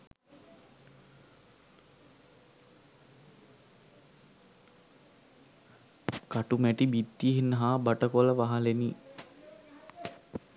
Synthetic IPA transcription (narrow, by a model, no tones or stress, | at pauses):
kaʈumæʈibit̪ːiɦinːəɦaːbaʈəkoləʋaɦaleni